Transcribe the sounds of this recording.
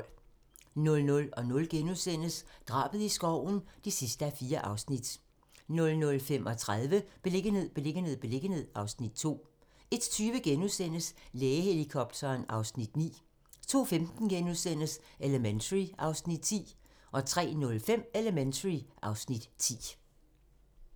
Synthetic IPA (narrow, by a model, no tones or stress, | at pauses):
nɔ̽lnɔ̽lɒ̽nɔ̽lɡ̥enuðˠsen̰əsd̥ʁɑ̰̈ːb̥əð̩ˠisɡ̥ɒʊ̰n̩d̥isisd̥əæfiːɐʔɑ̈ʊsnid̥ | nɔ̽lnɔ̽lfem̰ʔɒ̽t͡sʰʁað̞ˠʋəb̥e̝le̝ɡ̥ənɦe̝ð̰ˠb̥e̝le̝ɡ̥əne̝ð̰ˠb̥e̝le̝ɡ̥ənhe̝ð̰ˠɑ̈ʊsnid̥̚t͡sʰo̝̰ː | e̝d̥t͡sʰyːʋəɡ̥enuðˠsen̰əsleːɪəhe̝likʰɒ̽b̥̚d̥ʰɐːnɑ̈ʊsnid̥nḭː | t͡sʰo̝̰ːfemd̥n̩ɡ̥enuðˠsen̰əseləment͡sʰəʁiɑ̈ʊsnid̥t͡sʰḭː | ʔɒ̽t͡sʰʁɛ̰ːnɔ̽lfem̰eləment͡sʰəʁiʔɑ̈ʊsnid̥t͡sʰḭː